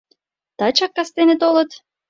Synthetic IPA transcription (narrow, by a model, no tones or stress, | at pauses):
t̪ɑt͡ɕɑkːɑst̪enet̪olə̆t̪